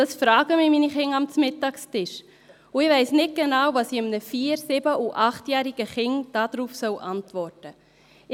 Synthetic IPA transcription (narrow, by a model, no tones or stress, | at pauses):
d̥ɑsfɾɑːɡəmɪminiχɪŋɑmt͡smɪtːɑkstɪʃ | ʊɪvɛɪsnɪt̚ɡ̥enɑwvɑsiɪmnəfiːɾsɪbəʔuʔɑχtjæːɾiɡ̥əχɪŋd̥ɑːd̥ɾuːfsœwʔɑntvɔrtə